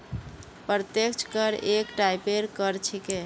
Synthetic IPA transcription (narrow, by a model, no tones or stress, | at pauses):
pɾt̪ekt͡ʃʰkəɾekʈajpeɾkəɾt͡ʃʰike